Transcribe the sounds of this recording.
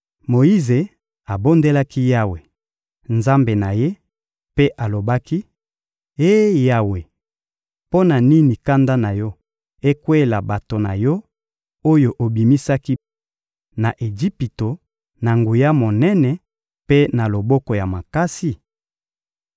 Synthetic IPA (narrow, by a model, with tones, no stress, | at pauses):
mo˨ji˦ze˨ | a˨bo˦nde˦la˦ki˦ja˦we˨ | nza˦mbe˨na˨je˦ | pe˦ʔa˨lo˨ba˦ki˦ | e˦ja˦we˨ | po˦na˨ni˦ni˨ka˦nda˦na˨jɔ˦ | e˦kwe˦la˨ba˨to˨na̰˨jɔ˦ | o˦jo˨ʔo˨bi˨mi˦sa˦ki˦ | na˨ʔe˨d͡ʒi˦pi˨to˨ | na˨ŋɡu˨ja˦mo˨nɛ˦nɛ˨ | pe˦na˨lo˨bɔ˦kɔ˨ja˨ma˨ka˦si˨